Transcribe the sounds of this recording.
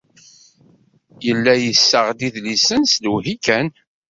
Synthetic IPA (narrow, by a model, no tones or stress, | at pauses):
jəlːæjəsːəʁd̪iðlisənsluɦikæn